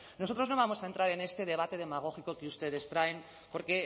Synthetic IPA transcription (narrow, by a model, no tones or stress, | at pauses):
noo̞t̪ɾonoβamo̞saent̪ɾaɾene̞st̪e̞ð̞e̞β̞at̪e̞ð̞e̞maɣ̞o̞xiko̞kiust̪e̞ðest̪ɾaen | po̞ɾke̞